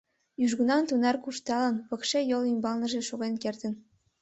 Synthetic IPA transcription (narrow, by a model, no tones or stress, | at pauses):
jyʒɣunɑnt̪unɑrkuʃt̪ɑlɤ̆nβɤ̆kʃejolymbɑlnɤ̆ʒĕʃoɣenkert̪ə̆n